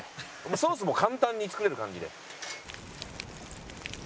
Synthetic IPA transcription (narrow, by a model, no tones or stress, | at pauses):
mosoːs̬ɨmo̞kãnt̪ãɲ̟ːit͡sɨ̥kɯɾe̞ɾɯ̟kãɲ̟d͡ʑid̪e